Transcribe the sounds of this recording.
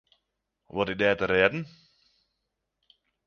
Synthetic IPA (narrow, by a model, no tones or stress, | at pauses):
ʋɔtɪk̚dɛːtəɾɛːdn̩